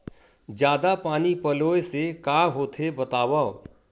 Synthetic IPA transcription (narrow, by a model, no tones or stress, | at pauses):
d͡ʒjaːd̪apaːnipɐloːesekaːɦoːt̪ʰebɐt̪aːwao